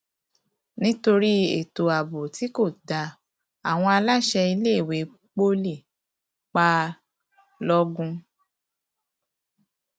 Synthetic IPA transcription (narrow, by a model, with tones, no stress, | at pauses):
nĩ˦to˧ɾi˦e˨to˨a˨bo˨ti˨˦ko˦˨da˧ | a˨w̃ɔ̃˧a˧la˦ʃɛ˧i˧le˦e˦˨we˨˦ | k͡po˦li˦˨ | k͡pa˦ | lɔ˦ɡũ˦